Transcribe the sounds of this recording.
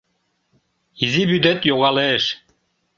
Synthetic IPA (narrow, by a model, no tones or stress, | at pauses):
izibyd̪et̪joɣɑlˠeʃ